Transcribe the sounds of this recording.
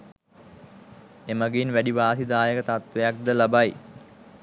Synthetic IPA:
emaɡeinʋæɖiʋaːsid̪aːjəkət̪at̪ʋejak̚d̪əlabaj

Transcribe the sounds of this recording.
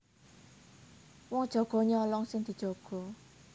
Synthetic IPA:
wɔŋd̥ʒ̥ɔ̤ɡ̥ɔ̤ɲɔlɔŋsɪŋd̪̥i̤d̥ʒ̥oɡ̥ɔ̤

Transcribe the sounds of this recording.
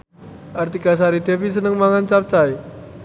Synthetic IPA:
ʔart̪ikas̬aɾid̪efis̬ənəŋmaŋant͡ʃap̚t͡ʃai

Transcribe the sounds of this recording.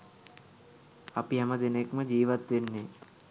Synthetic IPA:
ɐpiɦɛmɐd̪enekməd͡ʒiːʋat̪ʋenːe

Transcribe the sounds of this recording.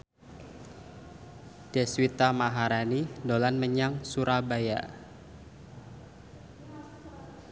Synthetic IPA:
d̥ɛswit̪amaɦaɾanidolanməɲaŋsuɾabaja̰

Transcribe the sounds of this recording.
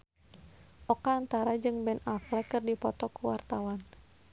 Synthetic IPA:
ʔɔkaːnt̪aɾad͡ʒɨŋbɛnaflɛkɨrdipɔt̪ɔkuwart̪awan

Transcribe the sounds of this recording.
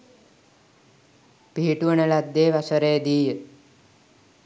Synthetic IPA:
piiʈuənəlad̪ːeːʋasəɾejəd̪iːjə

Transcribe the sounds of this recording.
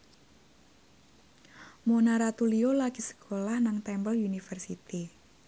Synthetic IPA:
monaɾat̪uliolakisə̥kʰolahnaŋt̪ɛmbəlunifərsit̪i

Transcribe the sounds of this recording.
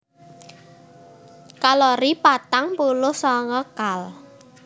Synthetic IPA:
kalɔɾipat̪aŋpulʊhsɔŋɔkal

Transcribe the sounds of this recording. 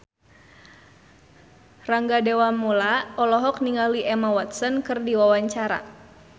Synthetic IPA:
raŋɡadɛwamulaɔlɔɦɔk̚niŋaliʔɛmawat̪̚sənkɨrdiwawaɲt͡ʃaɾa̰

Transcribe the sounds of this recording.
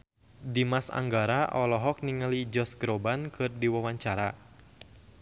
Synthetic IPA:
dimasa̰ŋɡaɾaʔɔlɔɦɔk̚niŋəlid͡ʒɔsɡɾɔbankʰɨrdiwawaɲt͡ʃaɾa

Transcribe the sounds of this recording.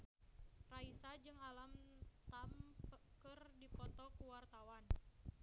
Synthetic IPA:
raisad͡ʒɨŋalamt̪ampkɨrdipɔt̪ɔkuwart̪awan

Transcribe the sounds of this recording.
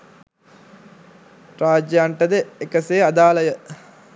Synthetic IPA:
ɾaːd͡ʒjaɳʈəd̪əekəseːad̪aːləjə

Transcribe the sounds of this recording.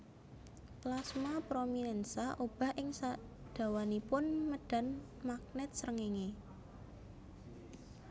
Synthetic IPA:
plasmapɾominɛnsaʔob̥a̤hʔɪŋsa | d̪̥a̤wanipʊnməɖ̥a̤n | mak̚nɛt̪̚səɾəŋeŋe

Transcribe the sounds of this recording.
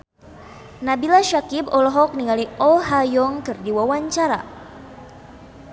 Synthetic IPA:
nabilaʃakibɔlɔɦɔk̚niŋaliɔlɦajɔŋkɨrdiwawaɲt͡ʃaɾa̰

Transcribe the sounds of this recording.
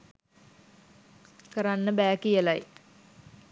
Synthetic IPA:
kəɾanːəbæːkijəlaj

